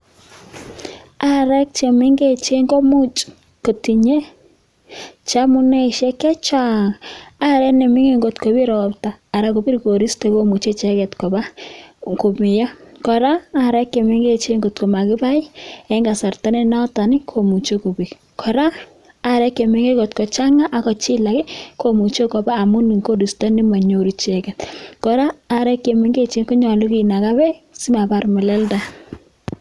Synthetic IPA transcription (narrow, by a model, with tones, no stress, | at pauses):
a˦ɾɛ˦k̚t͡ʃe˨mɪ˦ŋɡe˦t͡ʃe˦ŋɡo˦mu˦t͡ʃ | ko˨ti˨ɲe˦ | t͡ʃa˦mu˦nɛ˦ʃɛ˦kɛ˦t͡ʃa˦ŋa˦ɾɛ˦nɛ˨mɪ˦ŋe˦˨ŋɡo˨tko˨βi˦ɾɔ˨ptaː˨ɾako˨bi˦ɾko˨ɾi˦ste˨βo˦mu˨t͡ʃe˦t͡ʃɛkɛ˨tko˨βa˦ko˨mi˨ja˦kɔ˨ɾaː˦ɾɛ˦kːe˨mɪ˦ŋɡe˦t͡ʃe˦ŋɡo˨tko˨ma˨kɪ˦ba˦i˦ɛŋɡa˨sa˨rta˦ne˦na˦ta˨nɪ˦kʰo˨mu˨t͡ʃo˦ko˨bi˨k | kʰɔ˨ɾaː˦˨ | ɾɛ˦kːe˨me˨ŋɡe˦ko˨tkɔ˨t͡ʃa˦ŋa˦ʔa˨kɔ˨t͡ʃi˦la˨kɛ˦ko˨mu˨t͡ʃe˦kɔ˨baː˦˨mu˦ni˨ŋko˦ɾi˨stɔ˦ni˦ma˨ɲo˨ɾi˦t͡ʃɛ˨kɛ˨t̚kɔ˨ɾaː˦˨ɾɛ˦kːe˨mi˦ŋɡe˦t͡ʃe˦ŋku˦ɲɔ˨lu˦ki˨na˨ka˦bɛ˦si˦ma˨ba˨rmɛ˨lɛ˦lda˨